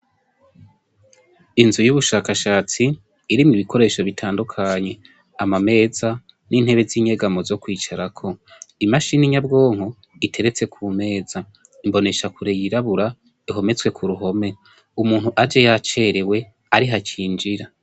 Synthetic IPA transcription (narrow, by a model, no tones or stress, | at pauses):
inzujuβuʃaːkaʃaːt͡siː | ɾimiβikʰo̞ɾe̞ːʃo̞βitʰaːndukʰaɲe̞ | amame̞ːza | ninhe̞βe̞ziɲe̞ɡamozo̞kwiːt͡ʃaɾakʰo̞imaʃiniɲabɡo̞ːŋ̥o | itʰe̞ɾe̞t͡se̞kʰuːme̞ːz̥a | imbo̞ne̞ʃakuɾe̞jiɾaβuɾa | iɦo̞me̞t͡swe̞kʰuɾuɦo̞me̞ | umuːn̥huʔad͡ʒejat͡ʃe̞ɾe̞we̞ | aɾiɦat͡ʃiːnd͡ʒiɾa